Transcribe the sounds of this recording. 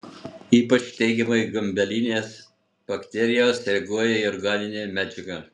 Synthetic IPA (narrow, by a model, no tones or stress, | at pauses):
iːpɐt͡ʃʲt̪ʲɛɪɡʲɛmɐɡɐmʲbʲɛlʲinʲeːs | b̥ɐkt̪ʲɛɾʲɪjoːsɾʲɛɡuɔjɛiɔɾɡɑːnʲɪnʲeːmʲæd͡ʒʲɛɡɐ